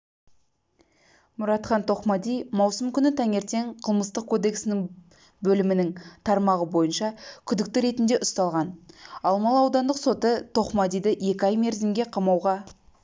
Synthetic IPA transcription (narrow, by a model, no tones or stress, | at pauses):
mʊɾɑt̪χɑnt̪ʰo̞χmɑd̪ijmɑwsəmkʲʰʏnɪt̪ʰæŋe̞ɾt̪e̞ŋqʰəlˠməst̪əq̚kʰo̞d̪e̞ksɪnɪŋ | bɵlɪmɪnɪŋt̪ʰɑɾmɑʁəbo̞jənʃɑkʲʰʏd̪ɪk̚t̪ɪɾe̞t̪ɪnd̪e̞ʔʊst̪ɑlˠʁɑnɑlˠmɑlˠɑwd̪ɑnd̪əqso̞t̪ət̪ʰo̞χmɑd̪ijd̪əʔje̞kʲɪɑjme̞ɾzɪmɡʲe̞qʰɑmɑwʁɑ